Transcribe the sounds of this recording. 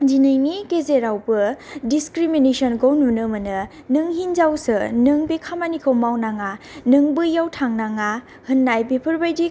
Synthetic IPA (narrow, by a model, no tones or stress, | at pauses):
d͡ʒinɯjnikezeɾawbɯdiskɾiminesɔnɡownunɯmɯnɯ | nɯŋɦinzawsɯnɯŋbekʰamanikʰɯwmawnaŋanɯŋbɯjawtʰaŋnaŋa | hɯnːajbepʰɯɾbajdi